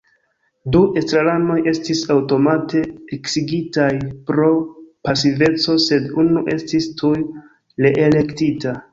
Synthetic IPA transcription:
duʔe̞stɾalano̞je̞stisawto̞mate̞eksiɡitajpɾo̞pasive̞t͡so̞se̞dunuʔe̞stistʰuj | leʔele̞ktita

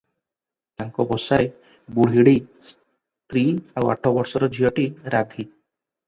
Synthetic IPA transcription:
t̪aŋkɔbɔsae | buɽ̤ɦiɽis | t̪ɾiawa̰ʈʰɔbɔɾsɔɾɔd͡ʒʱijɔʈiɾad̪ʱi

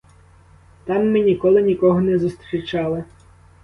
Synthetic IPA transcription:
t̪ɑmːɪnʲikɔlˠɪnʲikɔɦɔnɛzʊst̪ɾʲit͡ʃɑlˠɪ

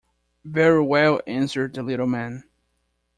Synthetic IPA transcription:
vɛɹiwɛlˠæ̃nsə˞d̪̚ðəlɪɾl̩ˠmɛ̃n

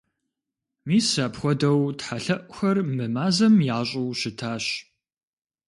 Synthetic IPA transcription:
miːsɐpxʷɔdɐwtħaɬɐʔʷʼxɐrmɨmaːzɐmjaːɕʼɪwʃɪtʰaːɕ

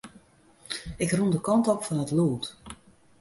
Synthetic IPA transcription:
ɪkrundəkɔntokfɔnətluːt

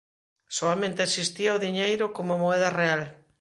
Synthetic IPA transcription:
soamẽnt̪eesist̪iaoðiɲejɾokomomoɛðareal

